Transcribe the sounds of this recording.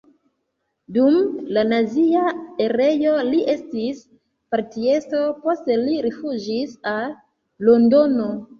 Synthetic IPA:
dumlanaziae̞ɾe̞jo̞liʔe̞stis | paɾtie̞sto̞po̞ste̞liɾifud͡ʒisal | lo̞ndo̞no̞

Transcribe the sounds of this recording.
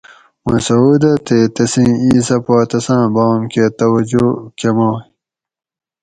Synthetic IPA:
wɐ̃sɐud̪ɐt̪et̪ɐsĩːiːsɐpaːt̪ɐsãːbawɐmket̪ɐwɐd͡ʑokemoː

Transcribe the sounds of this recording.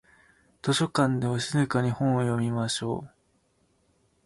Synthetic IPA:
t̪o̞ɕo̞kãnd̪e̞βaɕizɨkaɲ̟ihõɰ̃ojo̞mʲimaɕo̞̰ː

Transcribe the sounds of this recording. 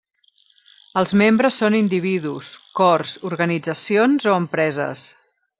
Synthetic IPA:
əlˠzmembɾəsːonind̪iβ̞iðuskɔrzuɾɣənid͡zəsionzoəmpɾɛzə̰s

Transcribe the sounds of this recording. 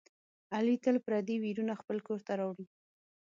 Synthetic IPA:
alit̪əlpɾɑd̪iwiɾunaxpəlkoɾt̪aɾɑwɽi

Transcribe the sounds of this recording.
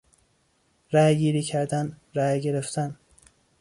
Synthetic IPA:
ɾæjɡiːɾiːcʰæɾd̪ænɾæːjɟeɾeft̪ʰæn

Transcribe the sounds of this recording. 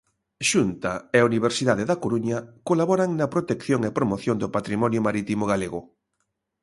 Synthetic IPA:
ʃunt̪aeauniβ̞eɾsiðaðeðakoɾuɲakolaβɔɾaŋnɐpɾot̪ekθjoŋepɾomoθjond̪opat̪ɾimɔnjʊmaɾit̪imoɣaleɣʊ

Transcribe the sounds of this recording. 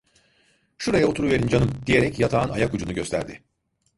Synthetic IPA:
ʃuɾajaot̪ʰuɾuveɾind͡ʒanɯmd̪̥ije̞ɾɛcjat̪ʰaːna̰jakud͡ʒunuɟøst̪ʰæ̰ɾd̪ɪ

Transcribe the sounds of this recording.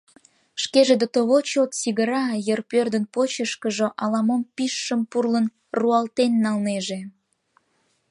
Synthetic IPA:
ʃkeʒed̪ət̪oβot͡ɕot̪siɣəɾɑjərpørd̪ənpot͡ɕəʃkəʒoʔɑlɑmompiʃːəmpurlən | ruɑlt̪enːɑlneʒe

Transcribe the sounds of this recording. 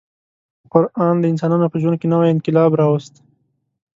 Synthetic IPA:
qʊɾɑnd̪əɪnsɑnunopəʒwand̪̚kenawajɪnqɪlɑbɾɑwəst̪

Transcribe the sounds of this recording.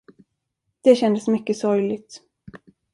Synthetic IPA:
d̪̥ɛɕɛnd̪əsmʏkːəsɔɾjlɪɡt̪

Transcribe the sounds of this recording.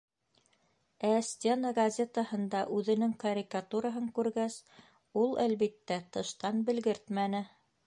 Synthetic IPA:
æsʲt̪ʲenəɡɐzʲe̞t̪əhɤ̆nd̪ɑʔʉðɘ̆nɘŋkɐɾʲikat̪uɾaɦɤŋkʉɾɡæs | ulˠælβit̪ːæt̪ɤ̆ʃt̪ɑnbɘ̆lɡɘɾt̪mænɘ

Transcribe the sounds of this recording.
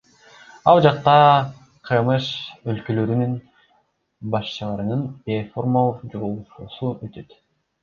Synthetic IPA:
ɑlˠd͡ʒɑq̚t̪ɑ | qʰɯmɯʃølkølø̞ɾynyn | bɑʃt͡ʃɯlˠɑɾɯnɯneformolˠqd͡ʒuɾulˠʃusuøt̪ʰø̞t̪

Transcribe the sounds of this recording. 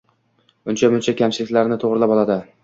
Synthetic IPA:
ʊnt͡ʃʰamʊnt͡ʃʰakʲamt͡ʃʰɪlɪkʲlaɾnɪt̪ʰoʁɾɪlapɒlˠad̪ɪ

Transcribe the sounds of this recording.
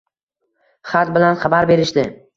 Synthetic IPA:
χat̪̚bɪlanχabaɾbe̞ɾɪʃd̪ɪ

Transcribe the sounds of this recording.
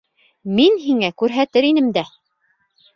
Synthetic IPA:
minɦiŋækʉɾɦæt̪ɘɾinɘmd̪æ

